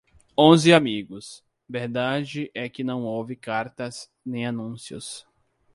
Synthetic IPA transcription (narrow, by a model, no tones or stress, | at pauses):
õzɪamiɡʊs | veɾd̪ad͡ʒɪʔɛkɪnɐ̃w̃owvɪkaɾt̪ɐz | nẽj̃anũsiʊ̰s